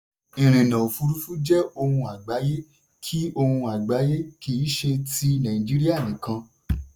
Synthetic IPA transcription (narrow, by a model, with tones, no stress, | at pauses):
ĩ˨ɾ̃ĩ˨nã˨o˨fu˧ɾu˦fu˦d͡ʒɛ˦o˧hũ˧a˨ɡ͡ba˨˦je˦ | kʰi˦o˧hũ˧a˨ɡ͡ba˨˦je˦ki˦ʃe˧ti˧nã˨ĩ˨d͡ʒi˦ɾi˦a˦˨nĩ˨kã˧